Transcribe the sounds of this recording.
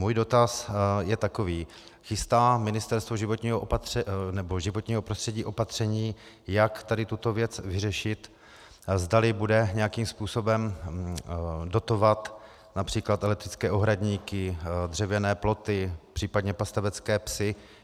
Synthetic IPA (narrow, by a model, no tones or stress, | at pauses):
muːjdo̞t̪asjɛt̪ako̞viː | xɪst̪aːmɪnɪst̪ɛɾst̪voʒɪvot̪ɲiːɦoʔopat̪ɛnɛbo̞ʒɪvot̪ɲiːɦo̞pɾost̪r̥ɛɟiːʔo̞pat̪r̝̥ɛɲiː | jakt̪adɪt̪ut̪o̞vjɛt͡svɪrɛʃɪt̪ | zd̪alɪbudɛɲɛjakiːmspuːso̞bɛm | do̞t̪o̞vat̪ | napr̝̥iːklat̪ɛlɛk̚t̪ɾɪ̥t͡skɛːʔoɦɾaɟɲiːkɪd̪r̝ɛvjɛnɛːplo̞t̪ɪpr̝̥iːpadɲɛpast̪avɛt͡skɛːpsɪ